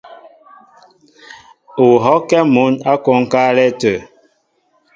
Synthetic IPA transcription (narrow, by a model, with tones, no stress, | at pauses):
u˨ɦɔ˦kɛ˦mu˨˦na˦kɔ˦ŋ̩˦ka˦lɛ˦tə˨